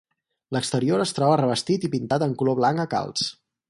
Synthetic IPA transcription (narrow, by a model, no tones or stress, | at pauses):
ləkst̪əɾioɾəst̪ɾɔβərəβəst̪it̪ipint̪at̪əŋkuloβlaŋkəka̰lˠs